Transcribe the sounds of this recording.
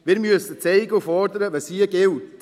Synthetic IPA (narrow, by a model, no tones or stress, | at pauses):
ʋɪːɾmyəsət͡sɛɪɡəufɔɾdəɾəʋɑsiəɡɪlt